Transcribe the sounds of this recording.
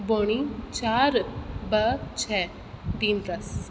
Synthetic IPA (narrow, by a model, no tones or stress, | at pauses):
boːɳ̃it͡ʃaːɾbət͡ʃʰɛː | d̪iːnt̪ɐs